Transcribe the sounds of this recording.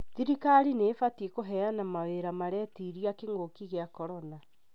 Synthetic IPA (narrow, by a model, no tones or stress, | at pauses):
ðiɾikaɾineːfatiekoɦɛanamaweɾamaɾɛtiɾiakeŋɡokiɣeakɔɾɔna